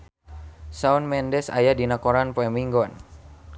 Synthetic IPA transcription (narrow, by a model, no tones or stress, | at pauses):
saunmɛndɛsa̰jadinakɔɾanpɛmiŋɡɔn